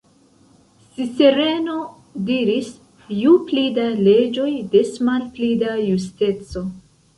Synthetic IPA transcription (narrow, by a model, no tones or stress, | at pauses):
siseɾe̞no̞ | diɾis | juplidale̞d͡ʒo̞jde̞smalplidajuste̞t͡so̞